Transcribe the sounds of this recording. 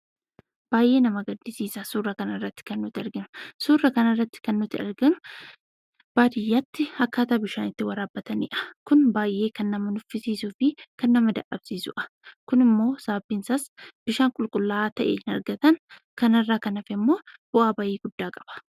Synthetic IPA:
b̥aːjʔe̞ːnɐmɐɡɐd̪ːɪsiːsɐsuːrːɐkɐnɐrːɐt̪ːɪ̥kɐnːʊt̪ɪɐɾɡɪnʊ̥suːrːɐkɐnɐrːɐt̪ːɪ̥kɐnːʊt̪ːɪɐ̰ɾɡɪnʊ | b̥aːd̪ɪjːat̪ːɪɐkːaːt̪aːbɪʃaːnɪt̪ːɪwɐɾaːbːɐt̪ɐnɪ̰ʔɐ̥kʊnbaːjʔe̞ːkɐnːɐmɐnʊfːɪsiːsuːfɪkɐnːɐmɐd̪ɐʔʼɐbsiːsʊ̰ʔɐ̥ | kʊnɪmːo̞ːsaːbːinsɐsb̥ɪʃaːŋkʼʊlkʼʊlːaːt̪ɐʔeːɪnɐɾɡɐt̪ɐn | kɐnɐrːaːkɐnɐfɛmːo̞ːb̥ʊʔaːbaːjeːɡʊd̪ːaːkʼɐ̥b̥ɐ̥

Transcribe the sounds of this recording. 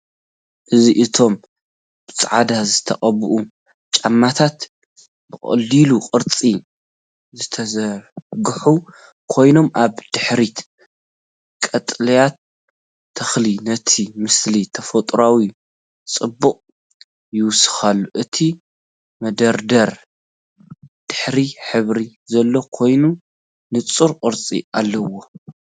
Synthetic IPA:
ʔɨziʔɨt̪ʰo̞m | b̥ɨt͡sʼʕa̰d̪azɨt̪ʰɐ̰χʼɐβɨʔu | t͡ʃʼamːat̪ʰat̪ | bɨkʼɐ̰liluqʼɨɾt͡sʼi | zɨt̪ʰɐzɐɡɨħu | kʰo̞jno̞mʔaβd̪̥ɨħɾit̪ | kʼɐt̪ʼlɐjat̪ʰː | ɐxlinɐt̪ʰimɨslit̪ʰɐfot̪ʼɾawi | t͡sʼɨbːuqʼ | jɪwʊsɨ̥xalːuʔɨt̪ʰi | mɐd̪ɐɾd̪ɐɾ | d̪̥ɨħɾiħɨβɾizɐlːokʰo̞jnu | nɨt͡sʼuɾqʼɨɾt͡sʼḭʔalːɐwo̞

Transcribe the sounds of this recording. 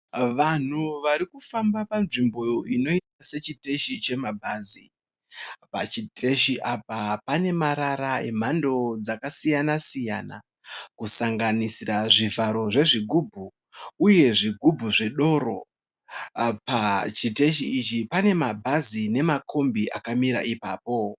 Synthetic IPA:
ʋan̤uʋaɾikufambapanʐimbo̞joino̞itase̞t͡ʃite̞ʃit͡ʃe̞mabʱaːzi | pa̰t͡ʃitʰe̞ʃiʔapapane̞maɾaɾae̞m̤ando̞d͡zakasijanasija̰na̰ | kusaŋɡanisiraʐivʱaɾo̞ʐe̞ʐiɡʱubʱu | uje̞ʐiɡʱubʱuʐeɗo̞ɾo̞̰ | pat͡ʃite̞ʃiːt͡ʃipane̞mabʱazine̞makʰo̞mbiʔakamiɾa̰ʔipa̰ːpo̞

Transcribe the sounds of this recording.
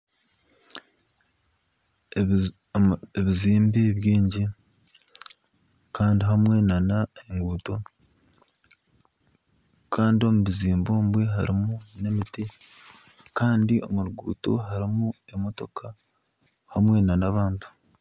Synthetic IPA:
eβiziːmbeβjiːɲɟi | kʰaːndiɦamwe̞nanaeŋɡuːto̞ | kʰaːndio̞muβiziːmbo̞ːmbwe̞ɦa̰ɾimune̞mite | kaːndiʔo̞̰muɾuɡṵːto̞̰ɦaɾimue̞mo̞to̞kʰa | hamwe̞nanaβaːntu̥

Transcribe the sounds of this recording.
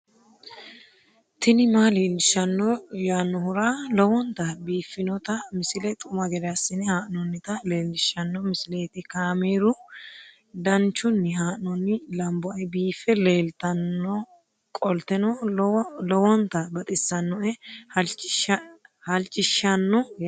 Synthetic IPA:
t̪ɪnɪmaːleːlɪʃɐnːɔjaːnːɔhʊɾaːlɔwɔnt̪ɐbiːfːɪnɔt̪ɐmɪsɪlɛt̪ʼʊmɐɡɛɾɛasːɪnɪhaːʔnɔnːɪt̪ɐle̞ːlːɪʃːɐnːɔmɪsɪleːt̪ɪkaːmeːɾʊ | d̪ɐnt͡ʃːʊnːɪɦaːʔnɔnːɪlɐmbɔɐjbiːfɛleːlt̪ɐnːɔ | kʼɔlt̪ɛnɔ | lɔwɔnt̪ɐbɐt̪ʼɪsːɐnːɔʔɛht͡ʃ | hɐlt͡ʃʼːɪʃːɐnːɔ

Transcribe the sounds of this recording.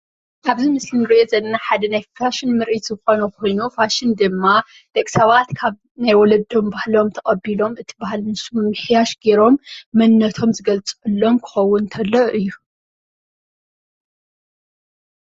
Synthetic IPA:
ʔaβzimɨslinɨɾʔozɐnɐnaħad̪ɐnajfaʃɪnmɨɾʔit̪zɨxo̞nɐkʰo̞jnufaʃɪnd̪ɨmːa | d̪̥ɐkʼsɐβat̪kʰaβ | najwɔlɐd̪o̞mbahlo̞mt̪ʰɐkʼɐbːilo̞mʔɨt̪ʰi̥bahalmɨsumɨmɨħjaʃɡe̞ɾo̞mːɐnːɐt̪ʰo̞mzɨɡɐlt͡sʼʔɨlːo̞mkʰɨ̥xɐwːʊnt̪ʰɐlːɐʔɨjːu

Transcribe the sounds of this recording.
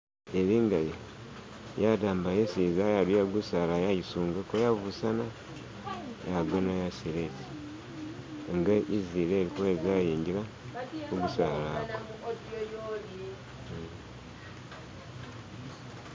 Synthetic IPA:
eɾiːŋɡaje | jadaːmbajesiːzajadujaɡusaːlajajisuːŋɡekojavusana | jaɡonajasiɾeti | ŋɡaʔiziːɾeːɾikoezajiːɲɟiɾa | oɡusaːlaɡwo

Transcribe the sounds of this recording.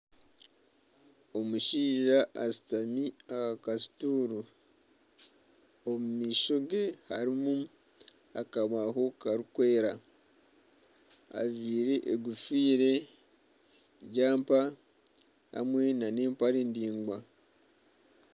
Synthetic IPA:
omuʃiːʒaʔasi̥tamiakakasi̥tuːɾu | omumiːʃo̞ɡeha̰ɾimu | akaβaɦo̞kaɾukwe̞ːɾa | a̰viːɾeʔeɡufiːɾe̞ | ɟaːmpa | ha̰mwe̞nane̞ːmpaɾeːndiːŋɡwa

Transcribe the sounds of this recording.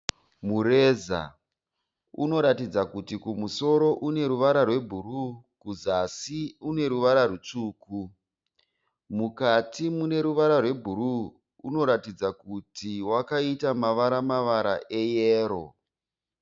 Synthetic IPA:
muɾe̞ːza̰ | uno̞ɾatid͡zakutikumuso̞ɾo̞ʔune̞ɾuʋaɾarwe̞bʱuru | kuzasiune̞ɾuʋaɾarut͡ʂuːku | mukatimune̞ɾuʋaɾarwe̞bʱuɾuː | no̞ɾatid͡zakutiwakaitamaʋaɾamaʋaɾaʔe̞jeːɾo̞̰

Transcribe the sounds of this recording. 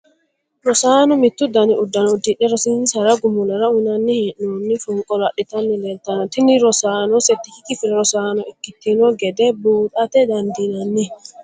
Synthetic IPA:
ɾɔsanɔmit̪ːud̪aniʔudːanɔudiɗɛɾɔsinsaɾaɡumulaɾaunanːihinːɔnːifuŋkʼɔlaɗit̪anːilɛltanɔt̪iniɾɔsanɔset̪ːikikifiɾɛɾɔsanɔikːit̪ːinɔɡɛdɛbuːɗat̪ɛdandinanːi

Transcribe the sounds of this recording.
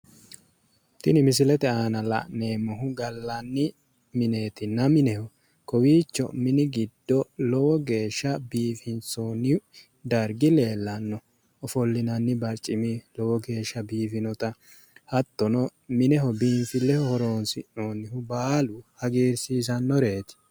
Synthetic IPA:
t̪ɪnɪmɪs̬ɪlɛt̪ɛaːnɐlɐ̰ʔne̞ːmːɔɦʊɡɐlːɐnːɪ | mɪne̞ːt̪ɪnːɐmɪnɛhɔ | kɔwiːt͡ʃːɔ̰mɪnɪɡɪd̪ːɔlɔwɔɡe̞ːʃːɐbiːfɪnt͡soːnɪ | d̪ɐɾɡɪle̞ːlːɐnːɔː | fɔlːɪnɐnːɪbɐɾt͡ʃʼːɪmɪlɔwɔɡe̞ːʃːɐbiːfɪnɔt̪ɐ | hɐt̪ːɔnɔmɪnɛɦɔbiːmfɪlɛhɔhɔɾoːnsɪnoːnɪhʊbaːlʊhɐɡiːɾsiːs̬ɐnːɔɾe̞ːt̪ɪ̥

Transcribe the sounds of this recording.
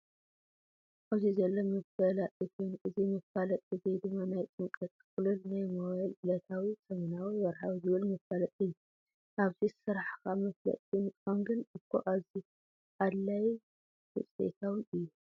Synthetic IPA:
ʔaβzizɐlːomɨfbɐlaɨkʰonʔɨzimɨfalɐt̪ʼɨzejd̪ɨmːanajt͡sʼɨŋkʼɐt̪ʼkɨlulnajmowalʔɨlɐt̪ʰawisɐmɐnawiwɐɾħawizɨβɨlmɨfalɐt̪ʼɨjːu | ʔaβzisɨɾaħkamɐflɐ̰t̪ʼinɨkʼamɡɨnɨkʰːo̰ʔaβzi | ʔad̪laj | wɨ̰t͡sʼḛt̪ʰawiʔɨjːu

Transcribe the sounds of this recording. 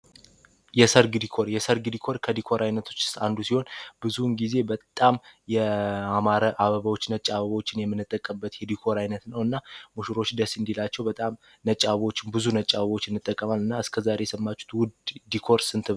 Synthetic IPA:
jɛsəɾɡɨd̪ikʰo̞ɾjɛsəɾɡɨd̪ikʰo̞ɾkʰəd̪ikʰo̞ɾʔajnət̪ʰo̞t͡ʃːɪ̥st̪and̪usiho̞nb̥ɨzunɡize̞bət̪ʼːamjɛamaɾəʔaβəβəwot͡ʃːnət͡ʃʼaβəβəwot͡ʃːɪnjɛmːɨnːɨt̪ʼːəkʼːəbːət̪jɛd̪ikʰo̞ɾajnət̪nəwɨnːamuʃuɾo̞t͡ʃːd̪əsɨnd̪ilat͡ʃːɛwbət̪ʼam | nət͡ʃʼːaβwot͡ʃːɪnbɨzunət͡ʃʼaβəβwo̞t͡ʃːɪnːɨt̪ʼːəkʼːəmalɨnːaɨskʰəzaɾe̞jɛsəmːat͡ʃːu̥t̪wʊd̪d̪ikʰo̞ɾsɨnt̪ʰɨβ

